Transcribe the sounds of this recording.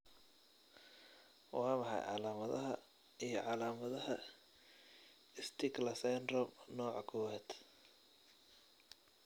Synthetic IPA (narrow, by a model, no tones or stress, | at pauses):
wɑːmɑħɑ̰jʕɑ̰laːmɐðɐ̰ɦɐ̰ | ijɞʕɑlaːmɐðɐhɐ | ɪst̪ʰɪɡlɐsɛndrɔmnɔːʕɑkʰɔwɛːd̪̥